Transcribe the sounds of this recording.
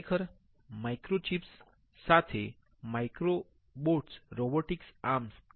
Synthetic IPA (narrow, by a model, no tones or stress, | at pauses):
kʰəɾ | maikɾot͡ʃipsː | at̪ʰe | majkɾo | boʈsɾoboʈiksaɾms